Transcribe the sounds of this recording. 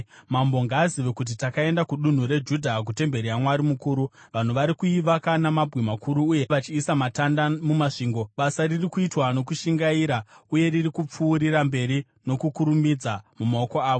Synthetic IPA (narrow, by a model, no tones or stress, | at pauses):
mambo̞ŋɡaːziʋekut̬itakae̞ndakuɗun̤uɾe̞d͡ʒudʱak̬ute̞mbe̞ɾiamwaɾimukuːɾuʋan̤uʋaɾikuiʋakanamabʱwemakʰuɾuːje̞ʋat͡ʃiːsamatandamumaʂiːŋɡo̞ɓasaririkuitwano̞kuʃiŋɡaiːɾauje̞ririkup͡fuːɾiɾambe̞ɾi | no̞kukuɾumid͡zamumao̞ko̞aːʋo